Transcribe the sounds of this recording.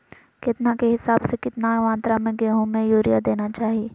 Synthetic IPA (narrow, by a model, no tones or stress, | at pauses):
kɪt̪nakeɦɪsaːbsekɪt̪naʋãːnt̪ɾamẽɡeːɦõmẽjuːɾijad̪eːnat͡ʃaːɦieː